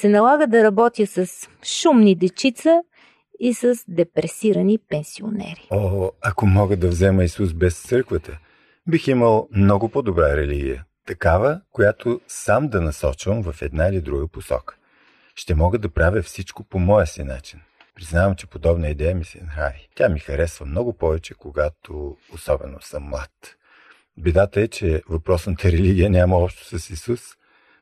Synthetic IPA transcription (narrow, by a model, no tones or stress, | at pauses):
sɛnɐlˠaɡəd̪ɐɾɐbɔt̪ʲjəsɐsʃumnid̪ɛt͡ʃit̪sə | isəzd̪ɛpɾɛsiɾənipɛnsio̰nɛ̰ɾioɐkomɔɡəd̪ɐvzɛməisusbɛst̪sɤɾkvət̪ə | biximəlˠmnɔɡʊpod̪obɾaɾɛliɡʲḭjə̰t̪ɐkavəkojat̪ʰosamd̪ɐnɐsɔt͡ʃvəmvɐfɛd̪nailid̪ɾuɡəposɔ̰kə̥ | ʃt̪ɛmɔɡəd̪ɐpɾavʲəfsit͡ʃkopomɔɛsina̰t͡ʃin | pɾiznavəmt͡ʃɛ̥pod̪ɔbnəid̪ɛjəmisɛ̰nɐxaɾit̪ʲjamixɐɾɛsvəmnɔɡʊpɔvɛt͡ʃɛkoɡat̪oːsɔbɛnosəmːlˠat̪ | bid̪at̪əɛt͡ʃɛvɐpɾɔsnət̪əɾɛliɡʲiənʲaməɔpʃt̪o̥səsisus